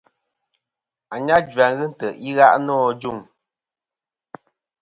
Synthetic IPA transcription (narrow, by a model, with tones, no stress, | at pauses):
a˨ɲa˦d͡ʒɥa˨ŋɣɨ˦n̩˦˨tə˨ʔi˦ɣa̰˦ʔnɔː˦˨d͡ʒu˦˨ŋ